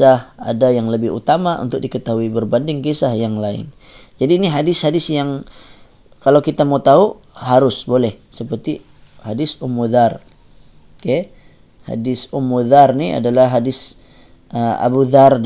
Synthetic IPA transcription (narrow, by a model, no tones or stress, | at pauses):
aha̰dajaŋləbɪhṵt̪amaʔṵnt̪ʊk̚dikət̪aɦuibərbandɪŋkisahjaŋlaɪ̰n | d͡ʒadiːniɦadɪshadɪsjaŋ | kalawkit̪amat̪aɦu | ɦaɾʊsbolɛhsəpərt̪i | hadɪsumuðar | kɛ | ha̰dɪsumːuðarnia̰dalahɦadɪs | ʔəa̰buðard